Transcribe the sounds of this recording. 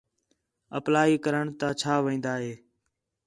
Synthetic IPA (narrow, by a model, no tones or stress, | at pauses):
əplaːiːkəɾəɳt̪aːt͡ʃʰaːʋĩːnd̪aːɦeː